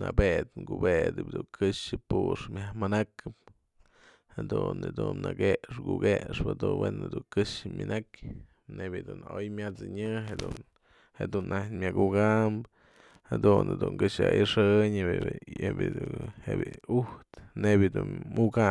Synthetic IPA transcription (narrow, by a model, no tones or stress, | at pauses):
nabet̪ŋkubed̪ɨb̚ʲd̪uŋkɨʂɨpuʂmʲahmanakɨp̚ | had̪unɨd̪unːaɡeʔʂkuɡeʂpɨd̪unwenɨd̪uŋkɨʂɨmʲɨnʔakʲ | nebjɨd̪uno̰jmjat͡sɨɲɨɦed̪un | hed̪unʔamʲakuɡamb | had̪uned̪uŋkɨʂaʔiʂɨɲ | bhebʲiiuht̪nebjɨd̪unmuɡa